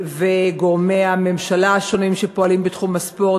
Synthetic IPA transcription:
veɡoʁmeame̞mʃalaːʃo̞nimʃepoalimbetχumaspo̞

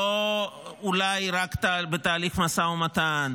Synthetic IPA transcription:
oulajɾakt̪abet̪aːliχmasaumat̪an

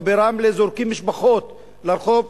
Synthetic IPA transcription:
beɾamlezoɾkimːiʃbaχot̪ | laɾχov

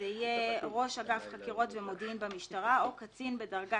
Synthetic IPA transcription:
eijeʁo̞ʃaɡafχakiʁo̞tvemodiimbamiʃtaʁaokat͡sinbedaʁɡa

